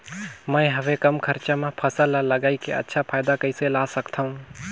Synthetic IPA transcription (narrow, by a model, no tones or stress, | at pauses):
mə̃ɪ̃ɦəʋekəmkʰəɾt͡ʃamẽpʰəsəlaləɡaːikḛə̰tːʃʰapʰaːɪd̪akəiselasəkt̪ʰaɦũ